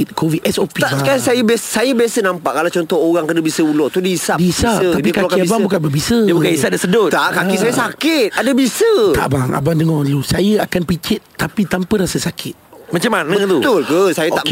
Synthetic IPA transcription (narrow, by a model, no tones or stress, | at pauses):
t̪̚kʰovit̪ɛsopit̪aʔskasajəbassajəbiasənãmpaʔkalawt͡ʃɔnt̪ɔoɣaŋkənəbisəulɔt̪udiisadiisat̪adikalakaiabaŋbukanbabisəəbukanisat̚dasədʊt̪aʔkakisajəsakɪt̪̚adəbisət̪a̰ʔbaŋa̰bandəŋɔusajəakanpikɪt̪̚t̪apit̪ampəɾasasakʰɪt̪̚mat͡ʃamanə̃t̪ut̪ʊlkəsajəaʔ